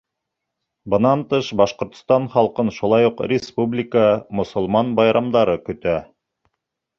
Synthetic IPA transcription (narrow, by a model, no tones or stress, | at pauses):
bɤ̆nɑnt̪ɤʃbɑʃqŏɾt̪̆st̪ɑnχɑlˠqɤnʃulˠɑjuqrʲɪspublʲɪkəmŏsŏlˠmɑnbɑjɾʔɑmd̪ɑɾɤkɵ̆t̪æ